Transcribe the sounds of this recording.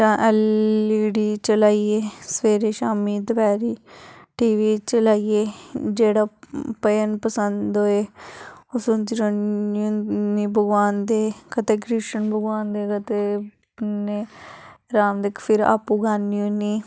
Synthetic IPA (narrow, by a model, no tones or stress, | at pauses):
tãːʔɛːliːɽiːt͡ʃəlaːieːsʋeːɾeːʃaːmiːd̪əbɛːɾiːʈiːʋiːt͡ʃəlaːieːd͡ʒeːɽaːpəjənpəsənd̪oːeːosõnd͡ʒɾəũːniːbʱəɡʋaːnd̪eːkət̪eːkɾɪʃənbʱəɡʋaːnd̪eːkət̪e | neːɾaːmd̪eːkpʰɪɾa̰ːpːuːɡaːnjũːniː